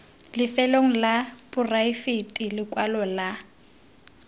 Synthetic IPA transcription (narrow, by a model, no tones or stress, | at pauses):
lɪfɛloŋ̩labʊraifetʼilɪkʼwalɔla